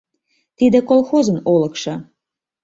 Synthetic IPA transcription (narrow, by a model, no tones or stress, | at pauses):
t̪id̪ĕkolˠxozənoləkʃɑ